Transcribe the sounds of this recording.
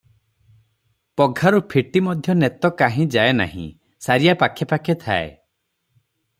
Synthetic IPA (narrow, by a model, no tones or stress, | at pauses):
pɔɡʱaɾupʰiʈimɔd̪ʱjɔnet̪ɔkaɦĩd͡ʒaena̰hḭ̃ | saɾijapakʰepakʰet̪ʰaḛ